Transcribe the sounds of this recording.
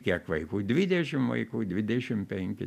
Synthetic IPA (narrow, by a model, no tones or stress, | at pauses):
kʲiɛkʋɐɪkuːd̪ʲʋʲɪd̪ʲɛʃʲɪmʋɐ̰ɪkuːd̪ʲʋʲɪd̪ʲɛʃʲɪmpʲɛŋʲkʲɪ